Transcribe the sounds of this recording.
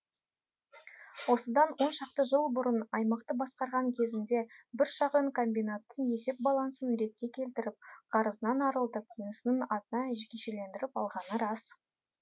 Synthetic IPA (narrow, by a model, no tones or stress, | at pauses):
wo̞səd̪ɑnwo̞nʃɑqt̪əʒəlˠbʊɾənɑjmɑqt̪əbɑsqɑɾʁɑŋkʲʰe̞zɪnd̪e̞bɪɾʃɑqəɴkʰo̞mbijnat̪ːənje̞se̞p̚bɑlˠɑnsənɾe̞t̪̚kʲe̞kʲʰe̞lt̪ɪɾɪp̚qʰɑɾəzənɑnɑɾəlˠd̪əp̚unəsənəɴɑt̪ənɑʒkʲeʃele̞nd̪ɪɾɪpɑlˠʁɑnəɾɑs